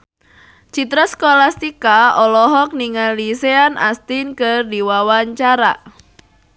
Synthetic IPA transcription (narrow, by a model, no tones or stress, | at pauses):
t͡ʃit̪ɾɔskolast̪ikaɔlɔɦɔk̚niŋalliseana̰st̪inkərdiwawaɲt͡ʃaɾa